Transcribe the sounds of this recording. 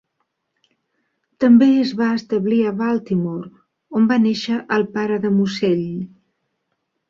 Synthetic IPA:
t̪əmbeəzβaəst̪əβliəβalˠt̪imoɾ | ombaneʃəʔəlˠpaɾəðəmuseʎ

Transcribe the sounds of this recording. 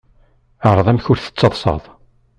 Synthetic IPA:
əɾˤðˤæmçʊɾθə̥t͡sːɑðˤsˤɑ̰ðˤ

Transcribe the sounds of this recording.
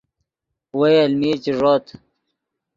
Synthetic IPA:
wɐjɐlmiːt͡ɕiʐoːt̪ʰ

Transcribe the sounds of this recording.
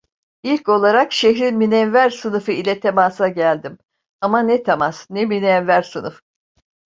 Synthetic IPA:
ilʲco̞lˠaɾakʃeçɾinminɛnvæɾsɯnɯfɯilʲɛt̪ʰemaːsaɟælʲd̪im | amanɛt̪ʰamasnɛminɛnvæɾsɯnɯf

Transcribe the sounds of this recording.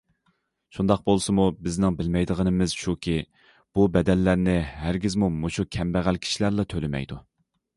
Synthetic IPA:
ʃund̪ɑq̚bolˠsɨmubɪznɪŋbɪlmɛjd̪əʁənɨmɪz̥ʃukʲʰi | b̥ubɛd̪ɛnːæɾnɪɦæɾɡʲizmumoʃukʲʰɛmbæʁælkʲʰi̥ʃilæɾlˠɑt̪ʰølɪmɛ̰jd̪u

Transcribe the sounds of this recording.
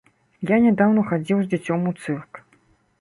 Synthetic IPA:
janʲɛd̪awnɐxad͡zʲiwzd͡zʲat͡sʲɔmut̪sɨrk

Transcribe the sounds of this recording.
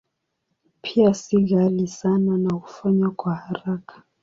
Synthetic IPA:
pʰijasiɣalisananaku̥faɲakwahaɾakʰḁ

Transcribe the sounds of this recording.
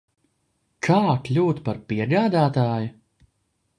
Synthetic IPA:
kʰaːklʲuːt̪paɾpiɛɡaːd̪aːt̪aːjʊ

